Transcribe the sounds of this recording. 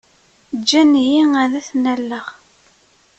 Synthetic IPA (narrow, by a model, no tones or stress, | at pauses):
d͡ʒːænjiŋæðæθnælːəʁ